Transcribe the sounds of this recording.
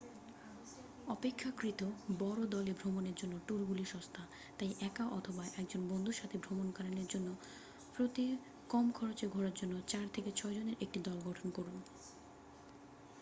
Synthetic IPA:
ɔpekʰːakɾit̪obɔɾod̪ɔlebʱɾomoneɾd͡ʑonːoʈuɾɡuliʃɔ̃st̪ʰa | t̪ajʔɛkaʔɔt̪ʰobaʔɛk̚d͡ʑonbond̪ʱuʃat̪ʰebʱɾomonkaɾaneɾd͡ʑonːo | pɾot̪i | kɔmkʰɔɾot͡ɕeɡʱɔɾaɾd͡ʑonːot͡ɕaɾt̪ʰeket͡ɕʰɔed͡ʑoneɾʔek̚ʈid̪ɔlɡɔʈʰonkoɾun

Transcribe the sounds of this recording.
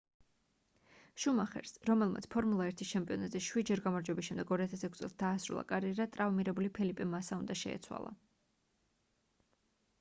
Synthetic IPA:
ʃumaχɛ̰ɾsɾɔmɛlˠma̰t̪sʰpʰɔɾmulˠaɛɾt̪ʰit͡ʃʰɛmpʼiɔnat̪zʼiʃwid͡ʒɛɾɡamaɾd͡ʒwɛbisʃːɛmd̪ɛɡɔɾiat̪ʰasɛkʰst̪sʼɛlˠsd̪aːsɾṵlˠa̰kʼaɾiɛɾat̪ʼɾavmiɾɛbulipʰilipʼɛmasaund̪aʃɛ̰ɛ̰t̪sʰwa̰lˠa̰

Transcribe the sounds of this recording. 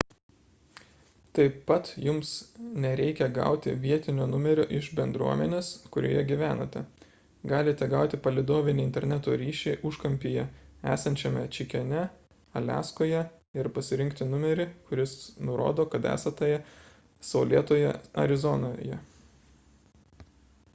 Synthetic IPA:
t̪ɐɪpːɐt̪jʊmsnʲɛɾʲɛɪkʲɛɡɑ̰ˑʊt̪ʲɪ̰ʋʲiɛt̪ʲɪnʲoːnʊmʲɛɾʲʊʔɪʒbʲɛnd̪ɾṵɔmʲɛnʲeːskʊɾʲo̰ːjɛɡʲiʋʲæːnɐ̰t̪ʲɛ | ɡɑːlʲɪt̪ʲɛɡɑʊt̪ʲɪpɐlʲɪd̪oːʋʲɪnʲɪnʲt̪ʲɛɾʲnʲæt̪oːɾʲiːʃʲɛɪʔʊʃkɐmʲpʲɪjɛæ̰ːsɐnʲt͡ʃʲɛmʲɛt͡ʃʲɪkʲɛnʲɛ | ɐlʲæ̰ːskoːjɛ | ɪɾpɐsʲɪɾʲɪŋkt̪ʲɪnʊmʲɛɾʲɪkʊɾʲɪsnʊɾo̰ːd̪oːkɐt̪æ̰ːsɐt̪ɐjɛ | sɐʊlʲiɛt̪oːjɛ̰ɐ̰ɾʲɪzɔnoːjɛ̰

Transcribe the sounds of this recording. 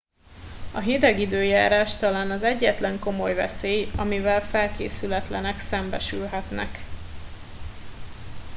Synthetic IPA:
ɒɦid̪ɛɡid̪øːjaːɾaːʃt̪ɒlaːnɒzɛɟːɛt̪lɛŋko̞mo̞jvɛ̰seːjɒmivɛlfɛlkḛːsylɛt̪lɛnɛksɛmbɛʃylɦɛt̪nɛ̰k

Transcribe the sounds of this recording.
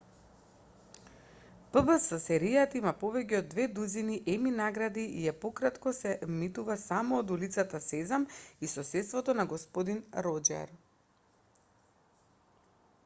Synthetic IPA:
pəbəsɔsɛɾijat̪aimapovɛcɛod̪ːvɛd̪uziniʔɛminaɡɾad̪iijɛpokɾat̪kɔsɛmit̪uvasamɔːd̪ulit̪sat̪asɛzamisɔsɛt̪st̪vɔt̪ɔnaɡɔspod̪inɾɔd͡ʒɛ̰ɾ

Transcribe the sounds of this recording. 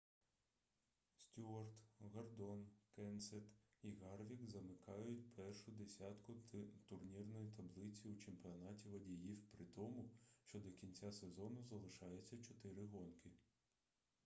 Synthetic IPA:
sʲtʲuɐrt̪ɣɐrd̪ɔnkɛnsɛt̪iɣɑrʋʲikzɐmɪkɑjʊtʲpʰɛrʃʊd̪esʲɑt̪kʊt̪ʊrnʲirnɔjit̪ɐblˠɪt͡sʲiut͡ʃempʲiɔnɑtʲiʋɐdʲijiwpɾɪt̪ɔmʊʃt͡ʃɔd̪ɔkʲinʲt͡sʲasezɔnʊzɐlˠɪʃɑjɛt͡sʲːɐt͡ʃɔt̪ɪɾɪɦɔnkɪ

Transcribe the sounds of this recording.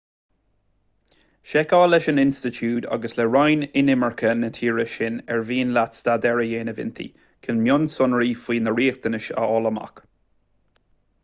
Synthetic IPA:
ʃɛkaːlɛʃənɪnstɪtʰuːda̰ɡəslɛɹajnɪnɪməɹkʰənətʰiːɹəʃɪnɛɹviːnlat̪st̪ad̪ɛɹəjeːnəvɪ̰nt̪ʰḭ | kʰɪnmjʊnsʊnɹiːfwiːnəɹiːxt̪ənɪʃə̰ɔləma̰k

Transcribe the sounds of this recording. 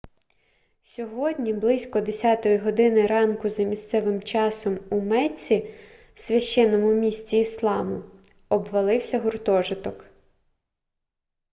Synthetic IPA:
sʲɔɦɔdʲnʲiblˠɪsʲkɔd̪esʲɑt̪ɔjiɦɔd̪ɪnɪɾɑnkʊzɐmʲist̪sɛʋɪmt͡ʃɑsɔmumɛt͡sʲi | sʲʋʲɐʃt͡ʃːɛnːɔmʊmʲisʲt͡sʲiːslˠɑmʊ | ɔbʋɐlˠɪwsʲɐɦʊrt̪ɔʒɪt̪ɔk

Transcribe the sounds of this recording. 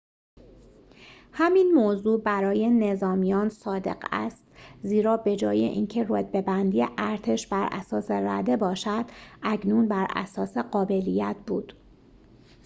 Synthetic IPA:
hæminmoːzuːbæɾɒːje̞ne̞zɒːmijɒːnsɒːd̪e̞̰ɢæ̰st̪ziːɾɒːbe̞d͡ʒɒ̰ːjḛʔiːncʰe̞ɾod̪̚be̞bænd̪ijḛʔæɾt̪ʰe̞ʃbæɾʔæ̰sɒːseɾæd̪e̞bɒːʃæd̪̥ʔæcʰnuːnbæɾʔæ̰sɒːse̞ɢɒːbe̞lijæt̪̚ʰb̥uːd̪̥

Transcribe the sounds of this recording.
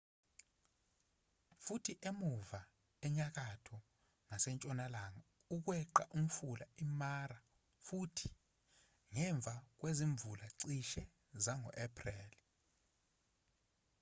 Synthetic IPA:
futʰiʔemuva | ɛɲak̬atʰɔ | nasɛnt͡ʃʼɔnalaŋa | uk̬wɛǃa̰ʔum̩fulaimaɾa | futʰi̥ | ŋɛɱb̪vʱak̬weziɱbvulaǀiʃɛ | zaŋɔ̰ʔɛpʰʼrɛːl

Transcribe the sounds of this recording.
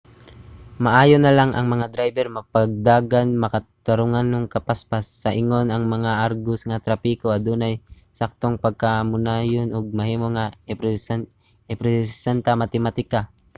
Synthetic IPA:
mɐʔaːjonɐlaŋʔɐ̰ŋmɐŋad̪ɾajbɛɾmɐpaɡ̚d̪aːɡanmɐkɐt̪aɾʊŋanːʊŋkɐpaspasːɐʔɪŋo̞nɐŋmɐŋaʔaɾɡʊsŋat̪ɾɐpiːkoɐd̪unɐjsak̚t̪oŋpɐɡ̚kamʊnajonoɡ̚mɐhiːmoŋap | ɛpɾɛsɛnt̪amat̪ɛmat̪ɪka

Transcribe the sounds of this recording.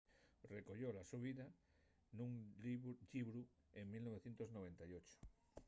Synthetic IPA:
rekoʎolasuβ̞iða | nũŋ | ʎiβɾu | eŋmilnoβeθjent̪oznoβ̞ent̪ajot͡ʃo̥

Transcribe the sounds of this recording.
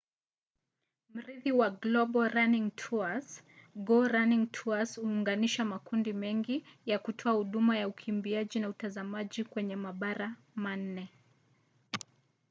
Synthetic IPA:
m̩ɾiðiwaɡlɔɓɔɾaniŋtʰuasɡɔɾaniŋtʰuashuːŋɡaniʃamakundimɛŋɡijakutʰɔahuɗumajaukʰimbiaʄinautazamaʄikwɛɲɛmaɓaɾa | man̩nɛ

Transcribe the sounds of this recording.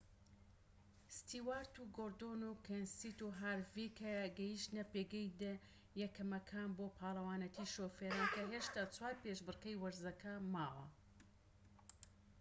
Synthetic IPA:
st̪iːwaːɾt̪uɡoːɾd̪onukʰensit̪uɦaɾvikʰɐɡɐjiʃt̪nɐpeɡɛjd̪e | jɛkʰɐmɐkʰaːnboːpʰaːlˠɐwaːnɐt̪ʰiːʃoːfeɾaːnkɐɦeʃt̪aːt͡sʰwaːɾpeʃbɨrkɐjwɐɾzɐkʰɐmaːwɐ̰

